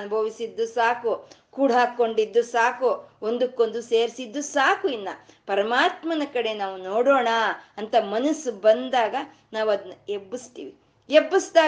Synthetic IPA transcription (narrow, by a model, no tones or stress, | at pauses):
nubʱɐʋisid̪ːusaːkukuːɽɦaːkːo̞ɳɖid̪ːusaːkuond̪ukːo̞nd̪useːɾsid̪ːusaːkuinːɐ̰pɐɾɐmaːt̪mɐnɐkɐɽe̞naːʋunoːɽoːɳɐɐnt̪ɐmɐnɐsːubɐnd̪aːɡɐ | naːʋuɐd̪ɐnːɐebːist̪iːʋi | ebːisd̪aː